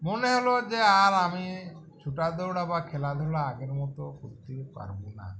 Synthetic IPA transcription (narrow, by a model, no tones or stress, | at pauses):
muneɦɔlɔd͡ʒeaɾami | t͡ʃʰuʈad̪ɔwɽabakʰɛlad̪ʱɔwɽaːɡeɾmɔt̪ɔkuɾt̪ipa̰ɾbuna̰